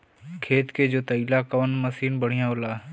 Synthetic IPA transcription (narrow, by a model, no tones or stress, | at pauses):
kʰeːt̪keːd͡ʒoːt̪əilaːkəʋnməsiːnbəɽ̤ijãːʊlaː